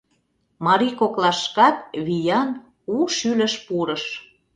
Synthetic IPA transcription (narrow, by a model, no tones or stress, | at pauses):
mɑɾikoklɑʃkɑt̪βijɑn | uʃylə̆ʃpuɾəʃ